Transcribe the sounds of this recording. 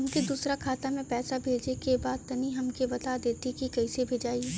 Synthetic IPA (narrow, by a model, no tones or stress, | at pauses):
ɐmked̪uːsɾakʰaːt̪amẽpɛːsabʱeːd͡ʒnekebaːd̪̚t̪ɐniɦɐmkebɐt̪ad̪eːt̪ikikɐisebʱeːd͡ʒaːie